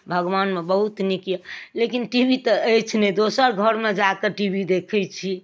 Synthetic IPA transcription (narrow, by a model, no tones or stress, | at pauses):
bʱəɡʋanmebəɦut̪nikjalekinʈibʱit̪əəjt͡ʃʰnɛd̪osəɾɡʱəɾmed͡ʒakeʈibʱid̪ekʰɛjt͡ʃʰi